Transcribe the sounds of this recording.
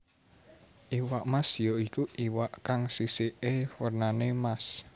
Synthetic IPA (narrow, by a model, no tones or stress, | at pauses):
ʔiwaʔmasjoikuʔiwaʔkaŋsiseʔefərnanemas